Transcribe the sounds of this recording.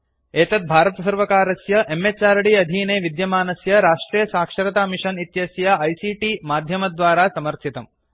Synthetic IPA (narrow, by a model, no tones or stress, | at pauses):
eːt̪ɐt̪̚bʱaːɾɐt̪ɐsɐɾʋɐkaːɾɐsjɐʔemːet͡ʃaːɾɐɽiːɐd̪ʱiːneːʋid̪jɐmaːnɐsjɐɾaːʂʈɾiːjɐsaːkʂɐɾɐt̪aːmiʂɐnit̪jɐsjɐɐjsiːʈiːmaːd̪ʱjɐmɐd̪ʋaːɾaːsɐmɐɾt̪ʰit̪ɐm